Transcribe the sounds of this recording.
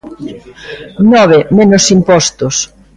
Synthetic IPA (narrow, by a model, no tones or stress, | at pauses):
nɔβemenʊsimpɔst̪ʊs